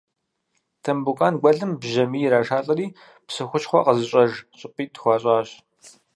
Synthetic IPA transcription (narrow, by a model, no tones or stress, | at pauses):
tʰɐmbukʼaːnɡʷɔɮɨmbʒɐmiːjɾaːʃaːɬʼɐriː | psɨxʷʊt͡ʃχʷɔ̰qəzɨɕʼɐʒɕʼɪpʼiːtxʷɑːɕʼaːɕ